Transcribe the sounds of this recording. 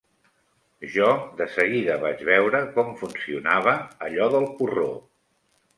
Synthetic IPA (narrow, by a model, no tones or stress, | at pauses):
ʒɔd̪əsəɣiðəβad͡ʒβɛwɾəkɔmfunsiunaβ̞əːʎɔðəlˠpuro